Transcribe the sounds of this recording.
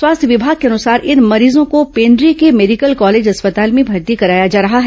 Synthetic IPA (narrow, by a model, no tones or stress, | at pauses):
swaːst̪ʰjʋɪbʱaːɡ̚keɐnʊsaːɾʔɪnmɐɾiːzõkopẽːɳɖɾikemeːɖikəlkɔːleːd͡ʒɐspət̪aːlmẽbʱɐɾt̪ikɐɾaːjad͡ʒaːɾɐɦaɦɛː